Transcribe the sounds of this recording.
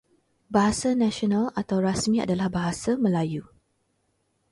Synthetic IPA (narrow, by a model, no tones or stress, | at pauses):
baɦasanãʃionãlat̪awɾasmĩa̰dalahbaɦasamə̃laju